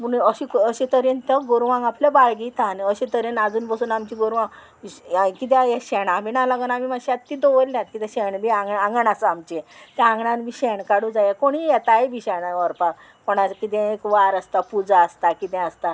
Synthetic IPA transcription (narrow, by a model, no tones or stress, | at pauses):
munəɕikəɕẽt̪əɾent̪əɡoɾʋãŋɡaplebaɭɡit̪anəɕẽt̪əɾenad͡zuːnbəsuːnamt͡ɕiɡoɾʋãŋ | kit̪̬ɛ̃jɛɕɛɽamiɳalaɡənamimaɕiat̪ːid̪oʋəllãt̪̚kit̪ɛ̃ɕɛɳbiãŋɡãŋɡəɳasamt͡ɕet̪ɛãŋɡɳãnmiɕɛɳkaɽud͡zajɛkoɽ̃ijɛt̪aebʱiɕɛɳaɔɾpa | pɔɳakit̪̬ɛ̃ekʋaɾəst̪apud͡zaəst̪akit̪ɛ̃əst̪a